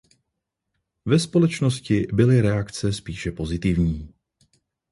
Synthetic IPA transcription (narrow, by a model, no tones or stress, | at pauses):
vɛspo̞lɛt͡ʃnoscɪbɪlɪɾɛakt͡sɛspiːʃɛpo̞zɪt̪ɪvɲiː